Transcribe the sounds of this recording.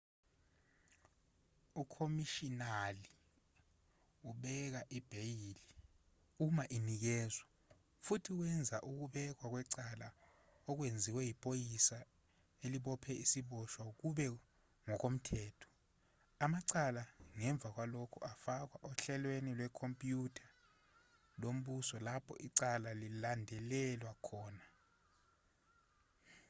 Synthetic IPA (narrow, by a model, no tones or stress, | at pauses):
ukʰomiʃinali | uɓɛk̬aʔib̥ʱejili | umaʔinik̬ɛːzwa | futʰik̬wɛnd͡zʱaʔuk̬uɓɛk̬wak̬wɛǀala | ɔk̬wend͡zʱiwɛjipʼojisa | eliɓɔpʰɛisiɓɔʃwak̬uɓɛ | ŋɔk̬om̩tʰɛːtʰɔ̥ | amaǀalaŋɛɱb̪vʱak̬walokʰuʔafak̬waʔɔɬɛlwenilwɛkʰompʼjutʰḁ | lom̩ɓusɔlapʰɔ̰ʔiǀalalilandʱɛlɛlwakʰɔːna